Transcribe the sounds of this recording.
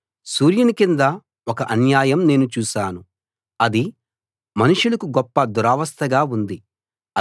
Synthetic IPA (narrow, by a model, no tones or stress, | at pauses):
suːɾjɐnikind̪ɐ | ɔkɐʔɐnjaːjɐmne̞ːnut͡ʃuːʃaːnu | ɐd̪i | mɐnuʂulɐkuɡɔpːɐd̪uɾaːʋɐst̪ʰɐɡaːund̪i | ɐ